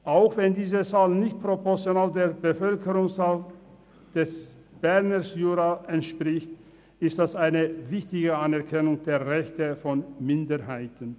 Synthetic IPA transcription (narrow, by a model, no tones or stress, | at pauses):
ʔaʊxv̥ɛndiːzət͡saːlnɪçt̚pʁ̥opɔɐt͡sjonaːldeːɐbəfœlkəʁʊŋsaːl | d̥ɛs | b̥ɛɐnəsjuːʁaɛntʃpʁ̥ɪçt | ʔɪstd̥asaɪnəvɪçtɪɡəanɛɐkʰɛnʊŋd̥eːɐʁɛçtəfɔnmɪndəhaɪtən̩